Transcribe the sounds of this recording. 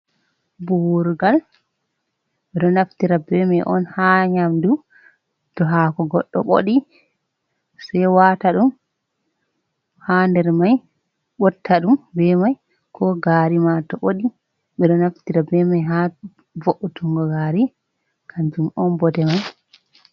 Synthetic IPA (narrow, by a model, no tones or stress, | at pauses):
buɾɡal | ɓɛɗɔnaftiɾabɛmajʔɔ̰nhaɲamdu | tɔɦakɔɡɔɗːɔ̰ɓo̰ɗi | sɛjwataɗum | handɛɾmaj | ɓɔtʰːaɗumbɛmaj | kʰɔɡaːɾimatɔʔoɗi | ɓɛɗɔnaftiɾabɛmajɦa | voʔutuŋɡɔɡaɾi | kʰaɲd͡ʒumɔnbɔtɛmaj